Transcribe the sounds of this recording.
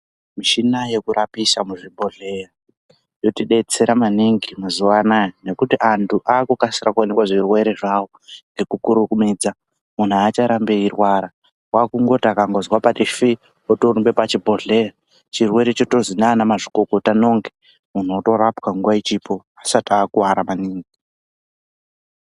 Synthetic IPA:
miʃinaje̞kuɾapisamuʐibʱo̞ɮe̞ra | jo̞tiɗe̞t͡se̞ɾamaniŋɡimazuwanane̞kutiʔantʰuʔaːkukasiɾakuwanekwaʐirwe̞ɾeʐawo̞ŋɡe̞kukuɾukumid͡za | mun̤uat͡ʃaɾambe̞irwaɾa | wakuŋɡo̞takaŋɡo̞zwapatifi | otorumbe̞pat͡ʃibʱo̞ɮeri | t͡ʃirwe̞ɾet͡ʃoto̞zinaːnamaʐikoko̞tano̞ŋɡe | mun̤oto̞ɾapkaŋɡuwait͡ʃipo̞ | asataːkuwaɾamaniːŋɡi

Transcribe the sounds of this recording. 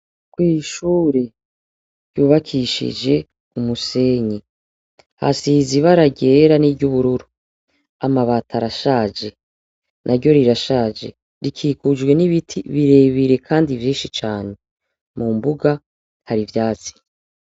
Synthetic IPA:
kwiːʃuːɾe̞ | ɾjuːβakʰiʃḭd͡ʒe̞ | umuse̞ɲi | ha̰siziβaɾaɟeɾaniɟuβuɾuɾu | amaβatʰaɾaʃaːd͡ʒe̞ | nʔaɾɟo̞ɾiɾaʃaːd͡ʒe̞̰ | ɾikʰikud͡ʒɡwe̞niβitʰiβiɾe̞ːβiɾe̞kʰaːndivjiːnʃit͡ʃaːne̞ | mumbuɡa | haɾivjaːt͡si̥

